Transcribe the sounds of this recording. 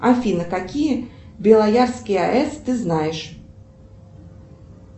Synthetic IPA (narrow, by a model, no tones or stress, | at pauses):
afʲinɐkakʲijɛbʲɛlˠajarskʲiaʔɛst̪ɨznajɛʂ